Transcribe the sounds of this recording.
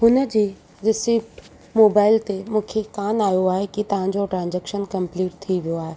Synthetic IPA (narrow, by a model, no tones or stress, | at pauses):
ɦʊnə̆d͡ʑiː | ɾɪsip | moːbaːɪlt̪emũːkʰekaːnaːjoaːɦekit̪ɐʋ̤ãd͡ʑoʈɾãːnd͡ʑeːkʃənkɐ̃mpliːʈ̚t̪ʰːiʋijoaːɦe